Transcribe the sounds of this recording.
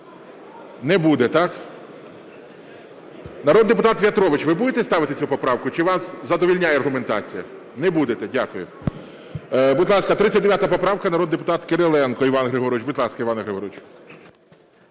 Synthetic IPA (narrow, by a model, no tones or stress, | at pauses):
nɛbud̪ɛt̪ɑk | nɐɾoɔd̪d̪ep̬ʊt̪ɑt̪ʋʲjɐt̪ɾɔʋɪt͡ʃʋɪbud̪et̪ɛst̪ɑʋɪt̪ɪt͡sʲupɔpɾɑwkʊt͡ʃɪʋɑszɐd̪ɔʋʲilʲnʲajɛɐrɦʊment̪ɑ̰t͡sʲijɐ | nɛbud̪et̪ɛdʲakʊjʊ | bʊt̪ʲlˠɑskɐt̪ɾɪt͡sʲːɐtʲd̪eʋʲjat̪ɐpɔpɾɑʋkɐnɐɾɔd̪d̪ep̬ʊ̥t̪ɑt̪keɾelˠɛnkɔiʋɑnɦɾɪɦɔɾɔʋt͡ʃbʊt̪ʲlˠɑskɐiʋɑnɐɦɾeɦɔɾɔt͡ʃ